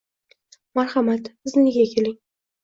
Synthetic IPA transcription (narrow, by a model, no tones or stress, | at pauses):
maɾχamat̪bɪznɪɡʲakʲʰelɪŋ